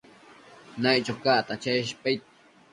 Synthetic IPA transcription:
najt͡ʃokaʔt̪at͡ʃeʔʃ̬pʼejt̪̚

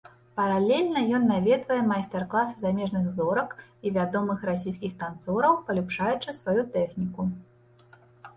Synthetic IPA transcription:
pɐɾalʲelʲnɐjɔnːavʲɛd̪vɐjɛmajst̪ɛrklˠasɨzamʲɛʐnɨɣzɔɾɐkivʲad̪ɔmɨxrasʲijs̬ʲkʲixt̪ant̪sɔɾɐwpɐlʲupʂajut͡ʂɨsvajut̪ɛxnʲiku

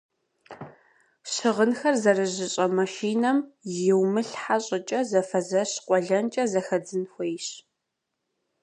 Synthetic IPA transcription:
ɕɪʁənxɐrzɐrɨʑɪɕʼɐmɐʃiːnɐmjɪwmɨɬħaɕʼɪt͡ʃʼɐzɐfɐzɐɕqʷɔɮɐnt͡ʃʼɐzɐxɐd͡zɨnxʷejɕ

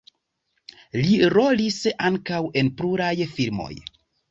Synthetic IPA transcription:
liɾo̞lisaŋkawe̞npluɾajfiɾmo̞̰j

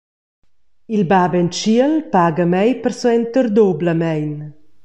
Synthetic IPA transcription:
ilbabɛnt͡ʃiəlpaɡəmɛjpərsuɛnt̪ərd̪obləmɛjn

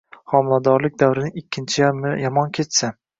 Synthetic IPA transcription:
χɒmɪlˠad̪ɒɾlɪk̚ʲd̪awɾɪnɪŋɪkʲʰːɪnt͡ʃʰɪjamɪjɒmɒnkʲʰe̞t͡ʃsa

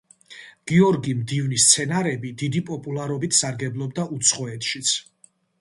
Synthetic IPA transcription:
ɡ̥iɔɾɡimd̪ivnist̪sʰɛnaɾɛbid̪id̪ipʼɔpʼulˠaɾɔbit̪ʰsaɾɡɛblˠɔb̚d̪aʔut̪sʰχɔɛt̪ʰʃit̪sʰ

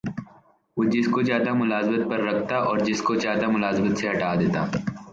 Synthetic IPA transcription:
od͡ʒɪskozjaːd̪amʊlaːzbət̪̚pɐɾːɐkʰt̪aʔɔːɾd͡ʒɪskozjaːd̪amʊlaːzbət̪seɦɐʈaːd̪eːt̪aː

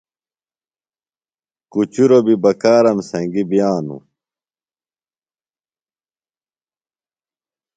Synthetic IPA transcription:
kut͡ɕuɾobibɐkaːɾɐmsɐ̃ŋɡibijaːnṵ

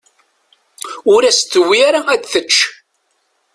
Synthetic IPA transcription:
ʊɾæst̪ːəwiaɾaæt͡sθət͡ʃː

